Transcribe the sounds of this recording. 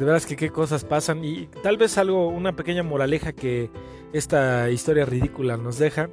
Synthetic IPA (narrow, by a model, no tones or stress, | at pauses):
d̪eeɾðaskeke̞ko̞s̬aspasanit̪alβe̞salɣo̞unape̞ke̞ɲamo̞ɾalexake̞ | e̞st̪aist̪o̞ɾjarið̞ikulano̞zðe̞xa